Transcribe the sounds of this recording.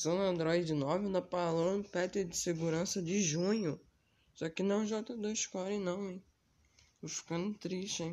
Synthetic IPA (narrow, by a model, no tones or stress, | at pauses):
sɐ̃nɐ̃nd̪ɾɔjd͡ʒɪnɔṽnd̪ɐpalõẽpɛt̪ɪd͡ʒɪseɡuɾɐ̃sɐd͡ʒɪʒũɲʊ | sɔkɪnɐ̃w̃ʒɔt̪ɐd̪ojʃkɔɾẽnɐ̃w̃ẽj | t̪ofi̥kɐ̃nd̪ʊt̪ɾiʃt͡ʃɪẽ